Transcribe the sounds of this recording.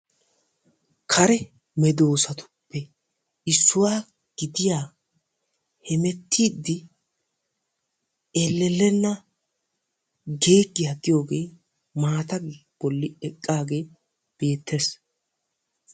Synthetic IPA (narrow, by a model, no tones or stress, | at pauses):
kʰɐɾɛ | mɛd̪o̞ːsɐt̪ʊ̥pːɛ | ɪsːʊwaː | ɡ̥ɪd̪ɪjaː | hɛmɛt̪ʰːiːd̪ːɪ | elːɛlːɛnːɐ | ɡe̞ːɡːɪjaɡ̪ɪjo̞ːɡe̞ː | maːt̪ɐɡb̥ɔlːɪɛkʼːaːɡe̞ː | b̥e̞ːt̪ʰːes